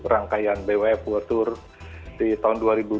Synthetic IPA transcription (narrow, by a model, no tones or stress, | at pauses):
raŋkajanbewɛp̚wət̪ʊr | dit̪aɦʊnduaɾibu